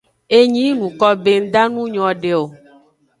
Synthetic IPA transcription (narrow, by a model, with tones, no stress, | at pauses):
e˦ɲĩ˦nũ˨kɔ˦be˦ŋ̩˦d̪a˦nũ˦ɲɔ̃˨ɖe˨o˨